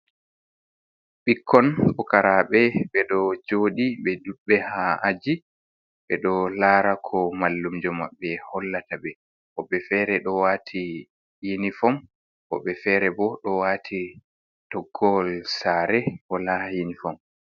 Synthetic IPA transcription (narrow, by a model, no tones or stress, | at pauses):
ɓikʰːɔnɓɔkaɾaɓɛɓɛɗɔd͡ʒoːɗiɓɛduɓːɛhaad͡ʒi | ɓɛɗɔlaːɾakʰɔmalːumd͡ʒɔma̰ɓːɛhɔlːatabɛ | kɔɓɛfɛːɾɛɗɔwatʰi | jinifɔm | kɔ̰ɓɛfɛːɾɛbɔɗɔwaːtʰi | tɔɡːɔlsaɾɛhɔlajinifɔm